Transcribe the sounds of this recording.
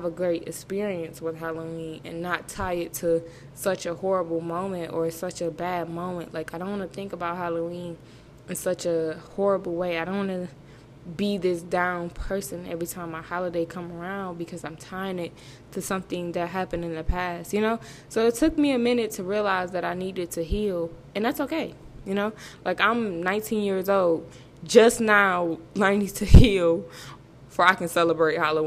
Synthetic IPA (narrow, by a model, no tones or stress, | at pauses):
əvəɡɹeɪɾɨ̰kspɪɹiɨ̃nswəð̥ɦɑlˠoĩnɨ̰̃nːətʰaɪɨtʰɨ | sʌt͡ʃɨhɔɹəbl̩ˠmõʊ̃mɨ̃ntə˞sʌt͡ʃɨbæd̚mõʊ̃mɨ̃nʔlʔaɪkaɪɾõʊ̃nwɑ̃nɨθɪ̃ŋkəbaʊt̚hɑlˠoʊĩn | ɨ̃nsʌt͡ʃɨhɔɹəbl̩ˠweɪaɪɾõʊ̃nwɑnɨ | biðɪsd̥ãʊ̃npʰɜ˞sɨ̃nɛ̰vɹitʰãɪ̃maɪhɑlˠədeɪkʰʌ̃mə˞ãʊ̃n̚bɨkʰʌzãɪ̃mtʰãɪɪ̃ŋɪt̚ | tʰɨsʌ̃mθɪ̃ŋðɨt̚ɦæpɨ̃ndɨ̃nðɨpʰæst̚jɨnoʊ | soʊɨtʰʊk̚miɨmɪ̃nɨtʰɨɹiəlaɪzðɨɾaɪniɾɨtʰɨɦilˠ | ɨ̃nðætsoʊkʰeɪjɨnoʊlaɪkãɪ̃mnãɪ̃ntʰĩnjɪɹzoʊlˠd̚ | d͡ʒʌsnaʊlɜ̃˞nɪ̃ŋtʰɨhilˠ | fə˞aɪkɨ̃nsɛlˠəbɹeɪt̚hɑlˠə̃